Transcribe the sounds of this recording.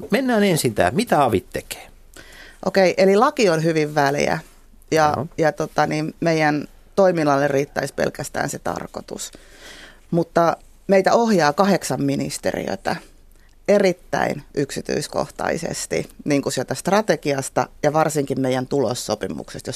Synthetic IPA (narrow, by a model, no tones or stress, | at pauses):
menːæːnensint̪æ̰ːmit̪æɑʋit̪teke̥ː | ʔokeiʔelilɑkionhyʋiʋʋæljæ̰ | jɑjɑt̪ot̪ɑniːmmeijæn | t̪oiminɑlːeriːt̪ːæispḛlkæst̪æ̰ːnset̪ɑ̰rkot̪ṵs | mut̪ːɑ | meit̪æohjɑːkɑheksɑmminḭst̪ḛrḭø̰t̪æ | erit̪ːæ̰inʔyksit̪y̰isko̰ht̪ɑ̰isḛst̪ḭniːŋkusielt̪æst̪rɑt̪ekiɑst̪ɑjɑʋɑrsiŋkimmeijænt̪ulo̰sːopimṵksest̪jos